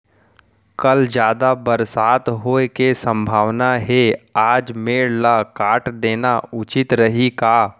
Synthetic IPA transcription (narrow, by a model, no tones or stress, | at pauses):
kəld͡ʒjaːd̪abəɾsaːt̪ɦoːekesə̃mbʱaːʋnaɦeaːd͡ʒmeːɽlakaːʈd̪eːnaʊt͡ʃɪt̪ɾəɦikaː